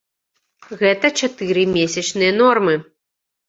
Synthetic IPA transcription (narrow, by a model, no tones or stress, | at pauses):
ɣɛt̪ɐt͡ʃat̪ɨɾɨmʲesʲɐt͡ʂnɨjɐnɔrmɨ